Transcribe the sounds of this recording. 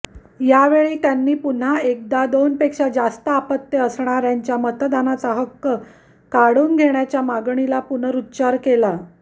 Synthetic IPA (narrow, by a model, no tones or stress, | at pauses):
jaʋeɭiːt̪janːiːpun̤aek̚d̪ad̪onpekʂad͡zast̪əapət̪ːjəəsɳ̃aɾjaɲt͡ɕjamət̪d̪anat͡saɦəkːə | kaɽuːnɡʱeɳjat͡ɕjamaɡɳilapunəɾutːɕaɾkela